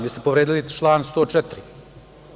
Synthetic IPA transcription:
ʋiːst̪epoʋɾeːd̪ilit͡ʃlˠaːnst̪oːt͡ʂɛt̪ɾi

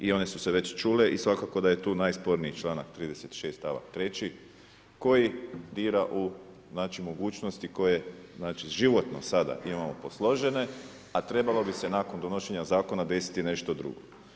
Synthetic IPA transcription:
io̞ne̞suseʋe̞t͡ɕt͡ʃuːle̞ʔisʋakako̞d̪aje̞t̪uːnajspo̞ɾniit͡ʃlˠaːnakt̪ɾiːd̪e̞set̪ʃe̞ːst̪aʋa̰kt̪ɾe̞t͡ɕi | ko̞jid̪iːɾaʔu | znaːt͡ʃimo̞ɡuːt͡ʃno̞st̪iko̞jeznaːt͡ʃiʒiʋo̞t̪no̞̰sad̪a̰ʔimamo̞po̞slˠo̞ʒe̞ne̞ | at̪ɾe̞balo̞bise̞naːko̞nd̪o̞noʃeɲazaːko̞nad̪e̞si̥t̪ine̞ʃt̪od̪ɾṵɡo̞

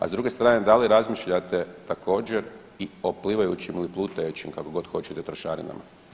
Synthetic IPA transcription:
a̰zd̪ɾuɡe̞st̪ɾaːned̪aliɾazmiʃʎat̪e̞t̪akʰo̞ːd͡ʑeɾ | io̞pliʋajut͡ɕimliplˠuːt̪ajut͡ʃimkakoɡo̞t̪xo̞t͡ʃet̪et̪ɾoʃaːɾḭna̰ma̰

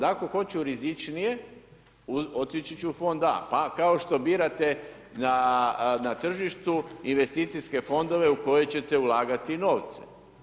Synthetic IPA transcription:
d̪ako̞xo̞t͡ʃuɾizit͡ʃnije̞ | uo̞t̪it͡ʃet͡ʃeufo̞nd̪a̰pakao̞ʃt̪o̞biːɾat̪e̞ | nanat̪r̩ʒiʃt̪uinʋe̞st̪iːt̪siske̞fo̞nd̪o̞ʋe̞uko̞je̞t͡ɕe̞t̪e̞ulˠaːɡat̪ino̞ːʋt̪se̥̰

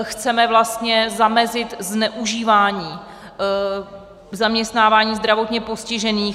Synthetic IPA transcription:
xt͡sɛmɛvlast̪ɲɛzamɛzɪt̪znɛʔuʒiːvaːɲiː | zamɲɛst̪naːvaːɲiːzd̪ɾavo̞t̪ɲɛpo̞scɪʒɛniː

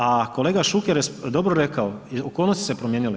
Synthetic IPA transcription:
ako̞le̞ːɡaʃukeɾesd̪o̞bɾoɾekaoiokolnost̪i̥sepɾomjeɲili

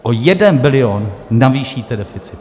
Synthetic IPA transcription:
ʔojɛdɛnbɪlɪonːaviːʃiːt̪ɛdɛfɪt͡sɪ

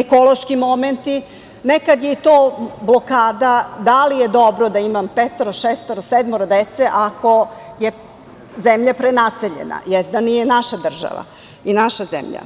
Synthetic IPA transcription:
eko̞lˠo̞ʃkimo̞ment̪i | nekad̪jeit̪oːblˠo̞kaːd̪ad̪alijed̪o̞bɾod̪aimampet̪oɾaʃest̪oɾased̪moɾad̪et̪seʔako̞je | zemʎapɾenaseʎḛna̰jɛzd̪anijenaʃad̪r̩ʒa̰ʋa̰ | inaʃazḛmʎa̰

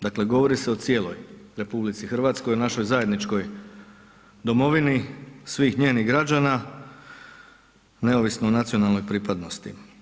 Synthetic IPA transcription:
d̪akle̞ɡo̞ʋo̞ɾise̞o̞t̪sje̞ːlˠojɾe̞publit̪sixr̩ʋaːt̪sko̞jonaʃo̞jzaje̞d̪nit͡ʃko̞j | d̪o̞mo̞ʋinisʋiːxɲe̞ːniɣɡɾad͡ʑana | ne̞oʋisnonat̪sio̞nalno̞jpɾiːpad̪no̞st̪i

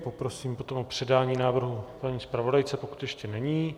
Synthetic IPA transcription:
po̞pɾo̞siːmpo̞t̪omopr̝̥ɛdaːɲiːnaːvr̩ɦupaɲiːspɾavo̞dajt͡sɛpo̞ku̥t̪jɛʃcɛnɛɲiː

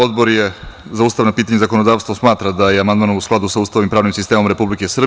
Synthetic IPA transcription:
od̪boɾjezaust̪aʋnapiːt̪aɲezako̞nod̪aːʋst̪vosmaːt̪ɾad̪ajeamand̪maːnousklˠad̪usauːst̪aʋnimpɾaːʋnimsist̪eːmo̞mɾepublikesrb

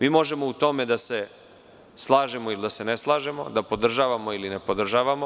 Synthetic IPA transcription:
miːmo̞ʒe̞mo̞ut̪o̞me̞d̪ase̞ | slˠaːʒemoilid̪ase̞neslˠaːʒe̞mo̞̰d̪apo̞d̪r̩ʒaːʋamo̞iline̞pod̪r̩ʒaːʋamo̞

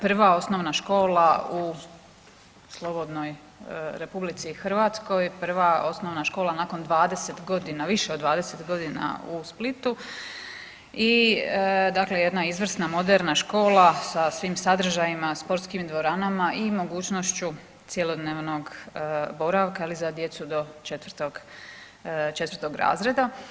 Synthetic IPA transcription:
pr̩ʋao̞sno̞ʋnaʃko̞ːlau | slˠo̞bo̞d̪no̞j | ɾe̞publit̪sixr̩ʋaːt̪sko̞jpr̩ʋao̞sno̞ʋnaʃko̞ːlˠanako̞nd̪ʋaːd̪ese̞t̪ɡo̞d̪inaʋiʃeod̪ʋaːd̪e̞set̪ɡo̞d̪ina̰usplit̪u | i | d̪akle̞je̞d̪naizʋr̩snamo̞d̪eɾnaʃko̞ːlasasʋiːmsad̪r̩ʒajimaspo̞ɾt̪skimd̪ʋo̞ɾaːnamaʔimo̞ɡuːt͡ɕnoʃt͡ɕu | t̪sjelo̞d̪neːʋno̞ɡbo̞ɾaʋkailizad̪je̞t̪sud̪o̞t͡ʃet̪ʋərt̪oɡ | t͡ʃe̞t̪ʋər̩t̪o̞ɡɾa̰ːzɾe̞d̪a

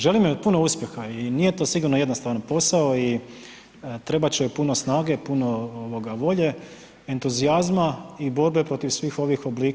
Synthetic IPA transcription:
ʒe̞limjepuno̞uːspʲje̞xainije̞t̪o̞ːsiɡuɾnojenost̪aʋnapo̞saoi | t̪ɾe̞bat͡ɕepuno̞snaːɡe̞punooʋo̞ɡaʋo̞ʎe̞ | ent̪uziazmaibo̞ɾbe̞pɾo̞t̪iʋsʋiːxo̞ʋixo̞bliːk

